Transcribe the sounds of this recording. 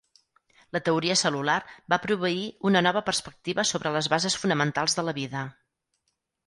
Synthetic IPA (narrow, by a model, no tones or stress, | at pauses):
lət̪əuɾiəsəlularbapɾuβ̞əiunənɔβəpərspək̚t̪iβəsoβɾələzβazəsfunəmənt̪alˠzðələβiðə